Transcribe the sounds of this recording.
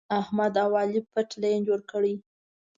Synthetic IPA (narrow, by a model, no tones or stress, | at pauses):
ahmad̪awɑlipəʈlajnd͡ʒoɽkəɽi